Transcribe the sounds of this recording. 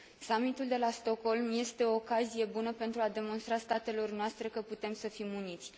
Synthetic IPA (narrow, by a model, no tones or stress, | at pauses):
samit̪uld̪e̞last̪o̞ko̞lmje̞st̪e̞o̞ːkazije̞bunəpe̞nt̪ɾuad̪e̞mo̞nst̪ɾast̪at̪e̞lo̞rnoast̪ɾe̞kəput̪e̞msəfimunit̪sʲ